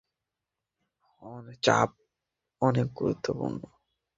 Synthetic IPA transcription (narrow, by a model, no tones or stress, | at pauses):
hɔnet͡ʃa̰p̚ | ɔnek̚ɡuɾut̪ʰːopṵɾɳːɔ